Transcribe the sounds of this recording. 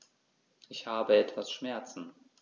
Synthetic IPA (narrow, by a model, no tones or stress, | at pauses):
ʔɪçhaːbəɛtv̥asʃmɛɐt͡sn̩